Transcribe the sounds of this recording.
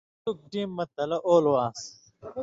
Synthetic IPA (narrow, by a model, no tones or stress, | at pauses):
uk̚ʈiːmːɐt̪ɐlɐʔoːlwaːs